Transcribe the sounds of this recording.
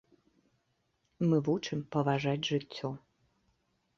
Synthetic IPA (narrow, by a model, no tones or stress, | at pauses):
mɨvuʈ͡ʂʰɨmpɐvaʐatʲʐɨtʲʰːo